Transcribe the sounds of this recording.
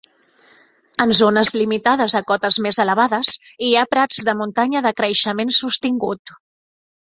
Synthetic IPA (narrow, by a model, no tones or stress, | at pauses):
ənzonəzlimit̪að̞əzəkɔt̪əzmezələβaðəziapɾad͡zðəmunt̪aɲəðəkɾəʃəmensust̪iŋɡut̪